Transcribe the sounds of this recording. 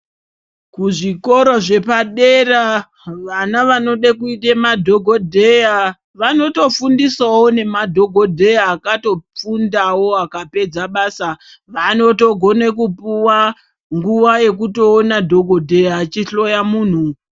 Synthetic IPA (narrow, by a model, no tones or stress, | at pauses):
kuʐiko̞ɾoʐe̞paɗera | ʋanaʋano̞ɗakuitemadʱo̞ɡʱo̞dʱeja | ʋano̞to̞fundiswawo̞ne̞madʱo̞ɡʱo̞dʱe̞jaːkato̞p͡fundawo̞akape̞d͡zaɓaːsa | ʋano̞toɡʱo̞nekupuwa | ŋɡuʋaje̞k̬uto̞ːnadʱo̞ɡʱo̞dʱe̞jaːt͡ʃiɬo̞jamuːn̤u